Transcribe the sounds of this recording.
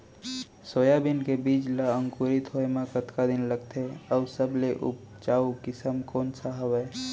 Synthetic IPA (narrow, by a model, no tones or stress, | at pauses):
sojabinkebiːt͡ʃlaə̃ŋkuɾit̪ɦoemãkət̪kad̪ɪnləɡ̚t̪ʰeəʊsəbleʔṵp̚ | t͡ʃaːukɪsəmkoːnsaɦəwɛː